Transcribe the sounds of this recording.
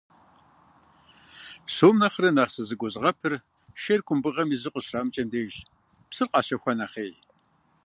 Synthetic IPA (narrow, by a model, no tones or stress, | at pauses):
soːmnɐχrɨnaːʁsɨzɨɡʷɔzʁɐpʰɨr | ʃerkʷʰʊmbɨʁɐmizɨqʷəɕraːmt͡ʃʼɐmdeːʒ | psɨrqʼɑːɕɐxʷɐnɐχeːj